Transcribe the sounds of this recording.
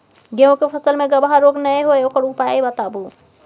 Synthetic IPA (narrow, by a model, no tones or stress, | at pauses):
ɡẽw̃kepʰəsəlmeɡəbʱaɾoɡnəjɦojokəɾupaibət̪abu